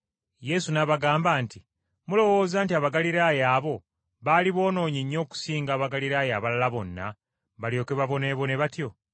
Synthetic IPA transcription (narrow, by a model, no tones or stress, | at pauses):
je̞sunaβaɡaːmbaːnti | mulo̞wo̞ːzaːntiaβaɡaliɾaːjaːβo̞ | βaːliβo̞ːno̞ːɲiɲːo̞ːku̥siːŋɡaːβaɡaliɾaːjaːβalalaβo̞nːa̰ | βaljo̞ːke̞βaβo̞ne̞βo̞ne̞βatjo̞